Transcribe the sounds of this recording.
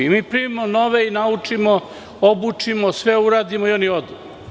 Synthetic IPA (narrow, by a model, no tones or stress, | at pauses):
miːpɾiʋimono̞ʋeinaut͡ʂimo | obut͡ʂimosʋeuɾaːd̪imoioniod̪u